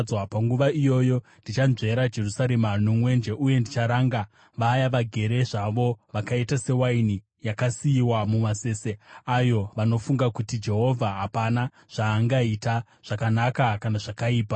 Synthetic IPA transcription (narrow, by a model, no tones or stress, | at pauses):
wapaŋɡuʋaijo̞jo̞ | ndit͡ʃanze̞ɾad͡ʒe̞rusaɾemanomwe̞nd͡ʒe̞ʔuje̞ndit͡ʃaɾaŋɡa | ʋaːjaʋaɡʱe̞ɾe̞ʐaʋo̞ʋakaitase̞waini | jakasiiwamumase̞ːse̞ajo̞ʋano̞fuŋɡakutid͡ʒe̞ɦo̞vʱaɦapana | ʐ̥aːŋɡaita | ʐ̥akanakakanaʐakaiːpa